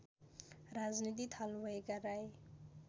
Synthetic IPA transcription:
ɾad͡znit̪̬it̪ʰalbʌjɡaɾaj

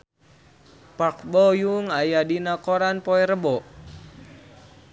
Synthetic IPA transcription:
pak̚bɔjuŋajadinakɔɾanpɔɛɾəbɔʔ

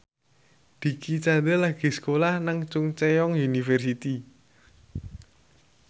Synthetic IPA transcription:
d̪̥i̤kʰit͡ʃand̪əlaɡ̥i̤sə̥kolahnaŋt͡ʃʊŋt͡ʃejɔŋjunifɛrsit̪i

